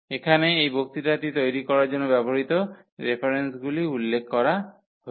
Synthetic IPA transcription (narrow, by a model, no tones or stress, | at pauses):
ekʰaneejbok̚t̪iʈat̪it̪ojɾikɔɾaɾd͡ʒonːobɛbɔɾit̪ɔ | ɾepʰaɾensɡuliulːekʰːkɔɾa | ɦo